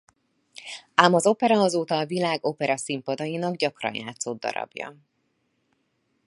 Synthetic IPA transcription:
aːmɒzo̞pɛɾɒɒzoːt̪ɒːvilaːɡo̞pɛɾɒsimpɒd̪ɒjinɒɡɟɒkrɒ̰nja̰ːt̪sod̪̚ːɒ̰ɾɒ̰bjɒ̰

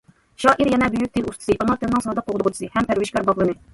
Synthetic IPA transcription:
ʃɑːʔiɾjɛnɛbøjyk̚ʲt̪ʰɪnust̪ɨ̥sɨʔɑnɑt̪ɨnnɨŋsɑːd̪ɑq̚ʰːoʁd̪ʊʁt͡ʃ̪ʰɨ̥sɨhɛmpʰæɾvɪʃkʲɑɾbɑʁlˠɨnɨ

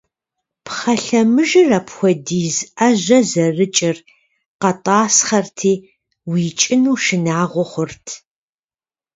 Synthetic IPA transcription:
pχɐɬɐmɨʒɨrɐpxʷɔdiːzʔɐʑʷɐzɐrɨt͡ʃʼɪr | qɐtʼɑːsχɐrtʰiː | wiːt͡ʃʼɪnuːʃɪnaːʁʷɔχʷʊrtʰ

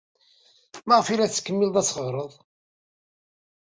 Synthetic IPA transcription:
mæʁəfiɾæθt͡sːə̥kːəmːild̪ˤæt͡sːχəʁɾˤəðˤ

